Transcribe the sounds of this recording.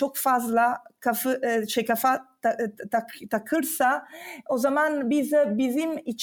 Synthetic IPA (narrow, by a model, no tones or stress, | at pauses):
t͡ʃokfazlˠakʰafɯʃejkafa | at̪ʰakʰɯɾsaozamanbizɛbizimit͡ʃʰ